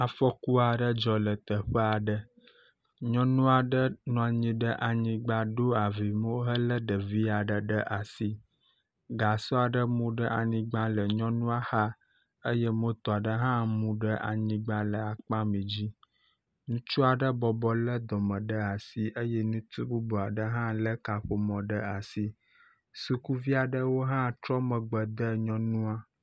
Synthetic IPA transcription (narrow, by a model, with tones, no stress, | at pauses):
a˨fɔ˦ku˦a˨ɖə˦d͡ʒɔ˨lə˨t̪ə˨ɸə˦a˨ɖə˦ | ɲɔ̃˦nũ˦a˨ɖə˦nɔ̃˨a˨ɲĩ˦ɖə˦ʔa˨ɲĩ˦ɡ͡ba˨ɖo˦a˨vi˨mo˦ɦə˦lə˦ɖə˨vi˦a˨ɖə˨ɖə˦ʔa˨si˦ | ɡa˨sɔ˦a˨ɖə˦mũ˦ɖə˦a˨ɲĩ˦ɡ͡ba˦lə˨ɲɔ̃˦nũ˦a˦xa˦ | ə˦je˦mo˦t̪ɔ˨a˨ɖə˦ɦã˦mũ˦ɖə˦ʔa̰˨ɲĩ˨ɡ͡bã˦lə˨a˨k͡pã˦mĩ˨d͡ʑi˦ | nũ˦t͡ʃu˦a˨ɖə˦bɔ˨bɔ˦lə˦d̪ɔ˨mə̃˨ɖə˦a˨si˦ʔə˦je˦nũ˦t̪u˦bu˦bɔ˨a˨ɖə˦ɦã˦lə˦ka˨ɸo˦mɔ̃˨ɖə˦a˨si˦ | su˨ku˦vi˦a˨ɖə˦wo˦ɦã˦t̪ɾɔ˦mə̃˨ɡ͡bə˨d̪ə˦ɲɔ̃˦nũ˦a˦